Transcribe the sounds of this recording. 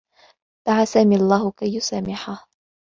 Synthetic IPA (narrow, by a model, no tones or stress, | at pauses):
d̪̥aʕasaːmɪʔalˤːaːhʊkajːʊsaːmɪħah